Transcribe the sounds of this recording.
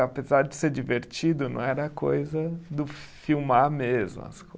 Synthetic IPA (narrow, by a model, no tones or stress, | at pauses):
apezaɾd͡ʒɪseɾd͡ʒiveɾt͡ʃid̪ʊnɐ̰̃w̃ɛɾɐːkʰojzɐd̪ʊfiwmaɾmezmʊ̰ɐ̰sko